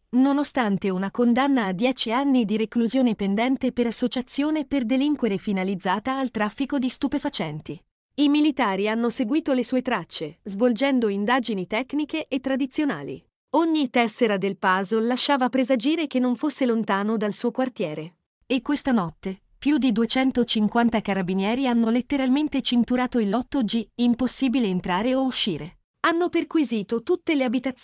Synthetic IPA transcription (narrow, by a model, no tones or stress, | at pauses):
nonost̪ant̪eunakond̪anːaːd̪ːjɛːt͡ʃianːid̪iɾekluzjoːnepend̪ɛnt̪epeɾasːot͡ʃat̪sːjoːneperd̪eliŋkweɾefinalid̪zːaːt̪aːlt̪ɾafːikod̪ist̪upefat͡ʃɛnt̪i | imilit̪aːɾianːoseɡwiːt̪olesuːet̪ɾat͡ʃːezvold͡ʒɛnd̪oind̪aːd͡ʒinit̪ɛkːnikeʔːt̪ːɾad̪it̪sːjona̰ːlḭ | oɲːit̪ɛsːeɾad̪elpaːzolaʃːaːvapɾezad͡ʒiːɾek̟enːoɱfosːelont̪aːnod̪alsuːokwart̪jɛːɾe | ekːwest̪anɔt̪ːe | pjud̪id̪uet͡ʃɛnt̪ot͡ʃiŋkwant̪akaɾabinjɛːɾianːolet̪ːeɾalment̪et͡ʃint̪uɾaːt̪oilːɔt̪ːod͡ʒiimposːiːbileːnt̪ɾaːɾeouʃːiːɾe | anːoperkwiziːt̪ot̪ut̪ːeleabit̪a